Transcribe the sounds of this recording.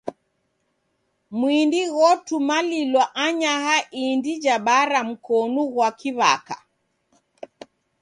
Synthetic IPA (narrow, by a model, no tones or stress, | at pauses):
mwindiɣɔtumalilwaʔaɲahaʔindid͡ʒaɓaɾam̩kɔnuɣwakʰiβa̰ka̰